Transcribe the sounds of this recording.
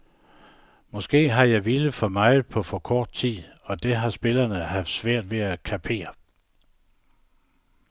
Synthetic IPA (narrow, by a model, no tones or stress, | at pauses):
mɒ̽sɡ̥e̝̰ːɦɑ̈jɑ̈ɪʋiləfɒ̽mɑ̈ɪpʰɒ̽fɒ̽kʰɒːd̥̚t͡sʰið̰ˠɒ̽d̥e̝ɦɑ̈sb̥e̝lɐnəɦæfd̥sʋæɐ̰d̥ʋe̝ækʰæpʰe̝̰ːɐ